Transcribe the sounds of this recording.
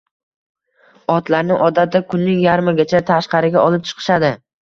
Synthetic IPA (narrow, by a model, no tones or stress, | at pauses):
ɒt̪laɾnɪŋʔɒd̪at̪ɪkʰʊnːɪŋjaɾmaɡʲat͡ʃʰat̪ʰaʃqɑɾɪɡʲaʔɒlˠɪp̚t͡ʃʰɨ̥qʰɨ̥ʃad̪ɪ